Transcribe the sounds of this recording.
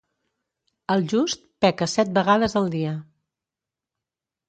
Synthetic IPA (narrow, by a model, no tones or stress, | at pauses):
əlˠʒust̪̚pɛkəsɛt̪̚bəɣaðəzəlˠd̪iə